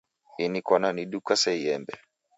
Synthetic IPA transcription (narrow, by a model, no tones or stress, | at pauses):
inikwananiɗukasɛijɛmbɛ